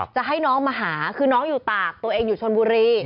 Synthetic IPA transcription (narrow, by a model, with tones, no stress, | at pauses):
t͡ɕa˨˩ɦa˥˩jnɔː˦˥ŋmaː˧ɦaː˩˦kʰɯː˧nɔː˦˥ŋjuː˨˩t̪aː˨˩k̚t̪u˧ɐʔeː˧ŋjuː˨˩t͡ɕʰo˧nbuː˧ɾiː˧